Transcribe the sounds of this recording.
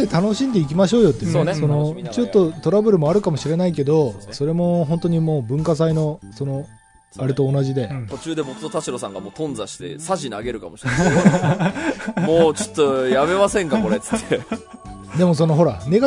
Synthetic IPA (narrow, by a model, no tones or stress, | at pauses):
et̪ano̞ɕĩnd̪e̞ikʲimaɕ̬o̞ːjo̞t̪ːeonso̞no̞t͡ɕo̞t̪ːo̞t̪o̞ɾabɯ̟ɾɯ̟mo̞aɾɯ̟kamoɕiɾe̞naike̞d̪o̞so̞ɾe̞mo̞ɦõ̞nt̪o̞ɲ̟imoːbɯ̟̃ŋkasaino̞so̞no̞ | aɾe̞t̪o̞ːnaʑid̪e̞t̪o̞t͡ɕɨːd̪e̞bo̞kɯ̟̥t̪ot̪aɕiɾo̞sãŋɡa̰moːt̪õ̞nd͡zaɕi̥t̪e̞̰saʑina̰ɡe̞ɾɯ̟kamoɕi̥ | moːt͡ɕot̪ːojjame̞masẽ̞ŋkako̞ɾet͡sɨ̥t̪ːʰe | d̪e̞mo̞s̬o̞no̞ɦo̞ɾane̞ɡa